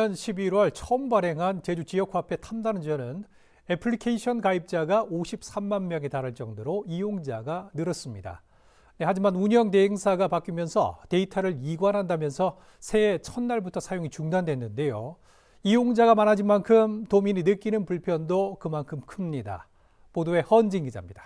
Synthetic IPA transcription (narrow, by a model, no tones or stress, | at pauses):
ʌnɕʰibiɾwʌɭt͡ɕʰʌmbaɾe̞ŋɦant͡ɕe̞d͡ʑut͡ɕijʌk̚ʰwapʰe̞tʰamdanɯnd͡ʑʌnɯn | epʰɯɭikʰeiɕʰʌnkaip̚t͡ɕ͈aɡaʔoɕʰip̚s͈ʰamːanmjʌŋe̞taɾɯɭt͡ɕ͈ʌŋdoɾoijoŋd͡ʑaɡanɯɾʌs͈ɯmɲida̰ | nehad͡ʑimanuɲʌŋt̬e̞ɦeŋsʰaɡapak͈imjʌnsʰʌ̰te̞itʰaɾɯɾiɡwanɦandamjʌnsʰʌ | sʰe̞ːt͡ɕʰʌnːaɭbutʰʌsʰajoŋit͡ɕuŋdandwe̞nːɯnde̞jo | ijoŋd͡ʑaɡamanɦad͡ʑinmankʰɯmtomininɯk͈inɯnpuɭpʰjʌndokɯmankʰɯmkʰɯmɲida̰ | podoe̞hʌnd͡ʑiŋɡid͡ʑa̰mɲid̥ḁ